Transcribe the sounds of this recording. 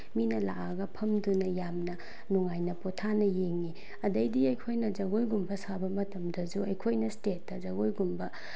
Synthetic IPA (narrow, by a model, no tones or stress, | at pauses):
minɐlaɐɡɐpʰɐmdunɐjamnɐ | nuŋajnɐpotʰanɐjeŋːi | ɐdɐjdiɐjkʰojnɐzɐɡojɡumbɐsabɐmɐtɐmdɐzuɐjkʰojnɐstet̚ːɐzɐɡojɡumbɐ